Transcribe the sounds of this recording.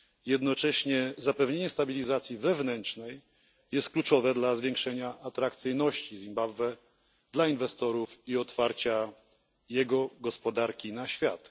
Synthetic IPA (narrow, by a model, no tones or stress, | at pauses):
jɛd̪nɔt͡ʂɛɕɲɛzapɛvɲeɲɛst̪abʲilʲizat̪sʲjivɛvnɛntt͡ʂnɛj | jɛst̪̚klut͡ʂɔvɛd̪lazvʲjɛ̃ŋkʂɛɲaʔːt̪ɾak̚t̪sɘjnɔɕt͡ɕizʲimbabvɛ | d̪lainvɛst̪ɔɾufiɔt̪faɾt͡ɕa | jɛɡɔɡɔspɔd̪aɾkʲinaɕfʲjat̪